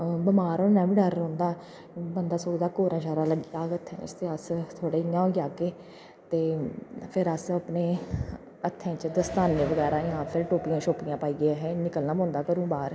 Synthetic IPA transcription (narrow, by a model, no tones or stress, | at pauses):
bəmaːɾonaːʋĩːɖəɾːõːnd̪aː | bənd̪aːsoːd͡ʒd̪aːkoːɾãːʃaːɾaːləɡiːaːɡət̪ʰːɛ̰̃ːst̪eːəst̪ʰoːɽeːɪjãːoːɡaːkeː | t̪eːpʰɪɾəsəpneː | ət̪ʰːɛ̃ːt͡ʃd̪əst̪aːnːeːʋəɡɛːɾãːjãːpʰɪɾʈoːpijãːʃoːpɪjãːpaːiːɡjaːɦɛːnɪkəlnaːmõːnd̪aːkəɾũːbaːɾ